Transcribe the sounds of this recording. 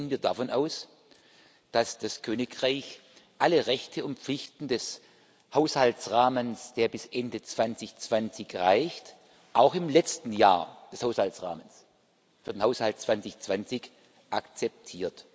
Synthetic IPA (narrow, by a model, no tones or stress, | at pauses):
ənviːɐdafɔnʔaʊs | d̥asd̥askʰøːnɪkʁaɪçʔaləʁɛçtʰəʊntp͡flɪçtn̩dɛs | haʊshaltt͡sʁaːmənsd̥eːɐbɪsʔɛndət͡sv̥ansɪçt͡sv̥ant͡sɪçʁaɪçt | ʔaʊxɪmlɛt͡stn̩ja̰ːɐd̥ɛshaʊshaltsʁa̰ːməns | fyːɐd̥enhaʊshaltt͡sv̥ant͡sɪçt͡sv̥ant͡sɪç | ʔakt͡sɛp̚tʰiːɐt